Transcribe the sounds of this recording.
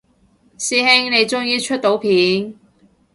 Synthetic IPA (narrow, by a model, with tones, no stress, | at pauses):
siː˧˥hɪ˥ŋne˨˧jt͡sʊ˥ŋjiː˧t͡ʃʰɵ˥t̚t̪o˨˥wpʰiː˨˥n